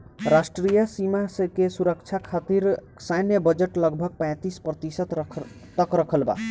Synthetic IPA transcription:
ɾasʈɾijəsimasekesuɾəkt͡ʃʰakʰat̪iɾ | sajnjəbəd͡ʒeʈlʌɡbʱʌɡ̚pɛ̃jt̪ispɾət̪isət̪t̪əkɾəkʰəlba̰

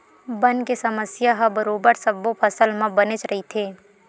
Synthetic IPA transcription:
bɐnkesɐməsjaɦɐbɐɾoːbəɾsɐbopʰɐsəlmãbɐnɪt͡ʃɾʔɐɦit̪ʰeː

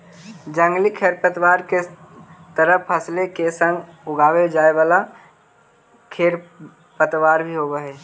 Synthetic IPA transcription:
d͡ʒə̃ŋɡlikʰeːɾpət̪waːɾket̪əɾəpʰəslekesə̃ŋɡʊɡʱaːwed͡ʒaːeʋaːla | kʰeːɾ | pət̪ʋaːɾbʱiɦoɡəɦɛː

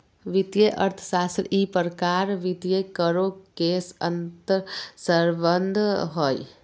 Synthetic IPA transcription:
ʋid̪jeʔəɾt̪ʰsaːst̪ɾipəɾəkaːɾʋit̪jekəɾokeːsə̰nt̪əɾsəɾbənd̪ʱɦoːj

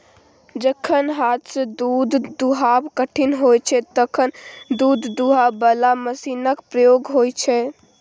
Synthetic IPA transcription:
d͡ʒəkʰənɦat̪səd̪ud̪d̪uɦabkəʈʰinɦojt͡ʃʰɛt̪əkʰənd̪ud̪d̪uɦabəlaməsinəkpɾəjoɡɦojt͡ʃʰɛ

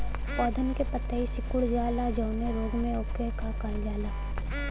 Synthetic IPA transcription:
pɔːd̪ʱənkepət̪aisɪkʊɽd͡ʒaːlad͡ʒɔʊneɾoːɡmẽoːkekakaɾd͡ʒaːlaː

